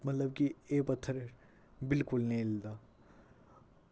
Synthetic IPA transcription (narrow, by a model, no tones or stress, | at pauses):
mɐt̪ləbkieːpɐt̪ʰːəɾ | bɪlkʊlnɐɦĩlɪd̪aː